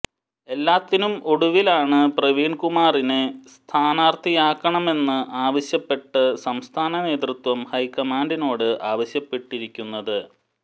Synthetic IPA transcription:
e̞lːaːt̪ːinumoɽuʋilaːɳɨprɐʋiːɳkumaːrinest̪ʰaːnaːrt̪ʰijaːkːɐɳɐme̞nːɨʔaːʋɐɕjɐpːe̞ʈːɨsɐmst̪ʰaːnɐne̞ːt̪rɨt̪wɐmhɐjkɐmaːɳɖino̞ːɽɨʔaːʋɐɕjɐpːe̞ʈːiɾikʲːunːɐðɨ

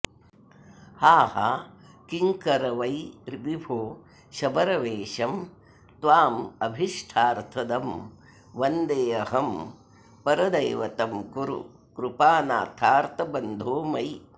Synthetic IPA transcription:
haːhɐ̰ | kiŋkɐɾɐʋɐjɾibibʱoː | ʃɐbɐɾɐʋeːʃɐm | t̪ʋaːmɐbʱiʂʈʰaːɾt̪ʰɐd̪ɐm | ʋɐnd̪eːɐɦɐm | pɐɾɐd̪ɐjʋɐt̪ɐmkuɾṵ | kɾupaːna̰ːt̪ʰaːɾt̪ɐbɐnd̪ʱoːmɐj

